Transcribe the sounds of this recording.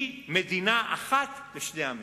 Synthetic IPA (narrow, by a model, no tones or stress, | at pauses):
med̪inaʔaχat̪leʃneami